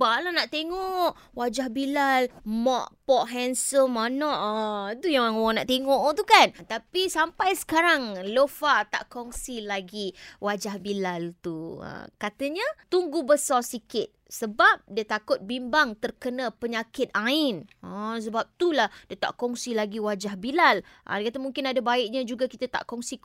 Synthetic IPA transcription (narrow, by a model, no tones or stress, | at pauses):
balanaʔt̪eŋɔʔ | wad͡ʒahbilalmɔʔpɔʔɦɛnsəmanɔʔt̪ujaŋanaʔt̪eŋɔʔt̪ukant̪apisampajsə̥kaɾaŋlofat̪a̰ʔkɔŋsilaɡiwad͡ʒahbilalt̪uə̰kat̪əɲət̪uŋɡubəsɔsikɪt̪̚səbap̚diət̪akʊt̪̚bimbaŋt̪ərkənãpəɲakɪt̪̚aɪnəs̬əbap̚t̪ulahdiət̪a̰ʔkɔŋsilaɡiwad͡ʒahbilal | ʔa̰dakat̪əmũŋkɪnadabaɪʔ̚ɲãd͡ʒuɡakit̪ət̪a̰ʔkɔŋsi